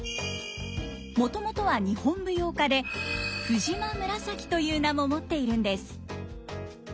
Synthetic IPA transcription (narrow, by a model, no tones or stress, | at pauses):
mo̞t̪o̞mo̞t̪o̞β̞aɲ̟ihõ̞mbɯ̟jo̞ːkad̪e̞ɸɯ̟ʑimamɯ̟ɾasakʲi̥t̪o̞jɯːnamo̞mo̞t̪ːe̞iɾɯ̟̃nd̪e̞sɨ̥